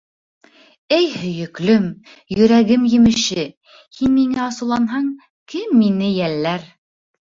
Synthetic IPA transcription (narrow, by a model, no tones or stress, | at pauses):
ɘjhɵ̆jɵ̆klɵm | jɵ̆ɾæɡɘmjɘ̆mɘ̆ʃɘ | hinmiŋæɑsɤ̆wlˠɑnɦɑŋ | kɘmːinɘjælːæɾ